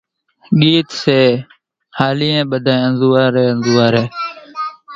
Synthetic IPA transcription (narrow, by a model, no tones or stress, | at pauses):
ɠiːt̪seː | haːliːẽːɓəd̪ʱaːẽːənzuːaːɾeːənzuːaːɾeː